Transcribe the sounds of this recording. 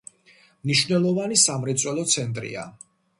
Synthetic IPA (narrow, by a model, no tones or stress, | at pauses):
mniʃwvnɛlˠɔvanisamɾɛt̪sʼwɛlˠɔt̪sʰɛnt̪ʼɾḭa̰